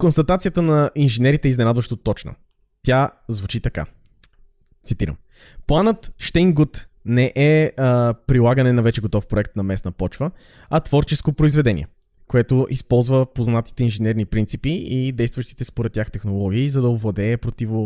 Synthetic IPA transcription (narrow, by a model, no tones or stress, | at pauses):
konst̪ɐt̪at̪siət̪ənɐinʒɛnɛɾit̪ɛiznɛnad̪vəʃt̪ot̪ɔt͡ʃnə̰ | t̪ʲja | zvut͡ʃit̪ɐka̰ | t̪sit̪iɾə̰m | plˠanət̪ʃt̪ɛŋɡut̪nɛʔɛ | pɾilˠaɡənɛnɐvɛt͡ʃɛɡot̪ɔfpɾoɛkt̪nɐmɛsnəpɔt͡ʃvə | ɐt̪vɔɾt͡ʃɛskopɾoizvɛd̪ɛnḭɛ̰ | koɛt̪oʔispɔlˠzvəpoznat̪i̥t̪ɛinʒɛnɛɾnipɾint̪sipiid̪ɛjst̪vəʃt̪i̥t̪ɛspoɾɛt̪̚ːʲjaxt̪ɛxnolˠɔɡ̟iizɐd̪ɐovɐd̪ɛɛːpɾot̪ivo